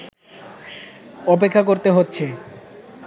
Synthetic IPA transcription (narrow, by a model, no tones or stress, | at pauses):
ɔpekʰːakoɾt̪eɦotːɕʰe